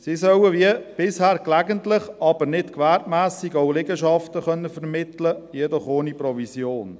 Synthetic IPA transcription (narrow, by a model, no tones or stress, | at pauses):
sisœwəʋiəb̥ɪshæːɾklæɡəntlɪχɑb̥əɾnɪtkʋæɾtmæːsiɡoʊlɪɡəʃɑftəχœnːəfɛɾmɪt̪ləjɛdɔχoːnipɾɔvisjoːn